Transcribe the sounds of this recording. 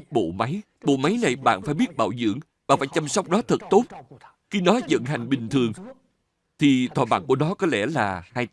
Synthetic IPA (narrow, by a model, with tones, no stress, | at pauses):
ɓo̰˧˨ma˨˦j | ɓo̰˧˨ma˨˦jna˨˩jɓa̰ː˧˨nfaː˧˩jɓi˦˥ət̚ɓa̰ː˧˩wzɨ̰˧˨əŋ | ɓaː˧˨nfaː˧˩jt͡ɕa˧msa˦˥wk͡p̚ɗɔ˨˦t̪ʰə˨˩t̚t̪o˦˥t̚ | xi˧nɔ˨˦zə̰˧˨nɦa˨˩jŋ̟ɓï˨˩ŋ̟t̪ʰɨ˨˩əŋ | t̪ʰi˨˩t̪ʰwa̰ː˧˩ɓa̰ː˧˨˩n̚ku˧˩ənɔ˨˦kɔ˨˦lɛ˧˩laː˨˩haː˧j